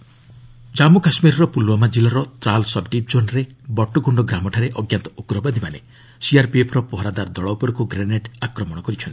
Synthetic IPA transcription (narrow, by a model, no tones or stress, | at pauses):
d͡ʒamukasmiɾɔɾɔpulwɔmad͡ʒilɔɾɔt̪ɾalsɔb̚ɖip̚d͡ʒonɾe | bɔʈːoɡuɳɖɔɡɾamɔʈʰaɾeʔɔɡjant̪ɔ̥ʔukɾɔbad̪imanḛ | siaɾpepʰɔɾɔpɔɦɾad̪aɾd̪ɔɭɔwpɔɾɔkuɡɾeneʈakɾɔmɔɽɔkɔɾit͡ʃʰɔnt̪i̥